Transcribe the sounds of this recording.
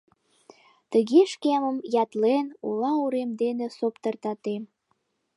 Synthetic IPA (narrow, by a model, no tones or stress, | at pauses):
t̪əɣeʃkeməmjɑt̪lenulɑuɾemd̪enesopt̪ərt̪ɑt̪em